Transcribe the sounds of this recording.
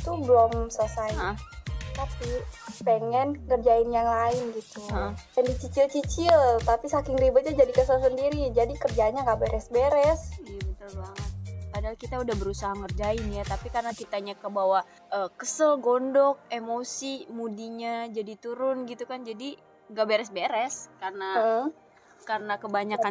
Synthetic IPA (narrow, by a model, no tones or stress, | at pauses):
t̪ubəlɔmsəsaat̪apipeŋɛnkərd͡ʒaɪnjaŋlaɪnɡit̪uajandit͡ʃit͡ʃɪlt͡ʃit͡ʃɪlt̪apisakɪŋɾibat̪̚ɲad͡ʒadikəsəlsəndiɾid͡ʒadikərd͡ʒaɲaŋɡaʔbɛɾɛsbɛɾɛsijabət̪ʊlbaŋət̪̚padalkit̪audahbəɾusaɦaŋərd͡ʒaɪnjat̪apikarənakit̪aɲakəbawa | ʔəːkəsəlɡondɔk̚emosimudiɲad͡ʒadit̪uɾʊnɡit̪ukand͡ʒadi | ɡabeɾɛsbeɾɛskarnaə | karənakəbaɲaka